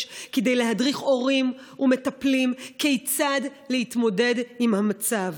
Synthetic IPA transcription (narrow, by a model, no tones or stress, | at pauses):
kede̞jleɦadʁiχo̞ʁim | ʔumetaplimkejt͡sadlehitmo̞de̞dimhamat͡sav